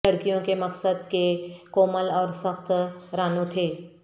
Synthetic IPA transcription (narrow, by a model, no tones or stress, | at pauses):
ɐɽkijõkemɐksəd̪kekoːməlɔːɾsəxt̪ɾaːnõt̪ʰeː